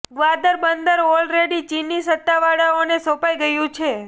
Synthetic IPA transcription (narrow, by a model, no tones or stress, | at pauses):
ɡʋad̪əɾbənd̪əɾɔlɾeɽit͡ʃinːisət̪ːaʋaɽaonesɔpajɡəjũt͡ʃʰe